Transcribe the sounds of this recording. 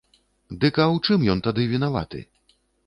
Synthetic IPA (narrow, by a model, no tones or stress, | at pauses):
d̪ɨkɐwt͡ʂɨmjɔnt̪ad̪ɨvʲinava̰t̪ɨ̰